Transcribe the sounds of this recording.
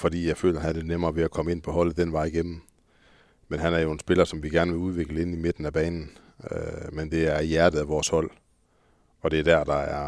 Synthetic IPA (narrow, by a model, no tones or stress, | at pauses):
fɒ̽d̥ḭːjɑɪfø̰ːlɐɦæðˠd̥enemɐːʋe̝ækʰɒ̽məe̝n̰pʰɒ̽ɦɒ̽l̰ð̩ˠd̥enʋɑ̈ɪ̰iɡ̥em̰m̩ | menɦænæɐjo̝e̝nsb̥e̝lɐsɒ̽mʋiɡ̥æɐnəʋe̝uð̞ˠʋe̝ɡ̥ləe̝nime̝d̥n̩æb̥ɛ̰ːnn̩ | mend̥e̝æɐjæɐd̥ð̩ˠæʋɒːshɒ̽l̰ | ɒ̽d̥e̝æɐd̥æɐd̥ɑ̈æɐ